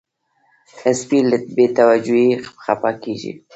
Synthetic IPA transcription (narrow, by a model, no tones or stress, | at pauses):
t̪aspiləbet̪awad͡ʒuipxapɑkeʒḭ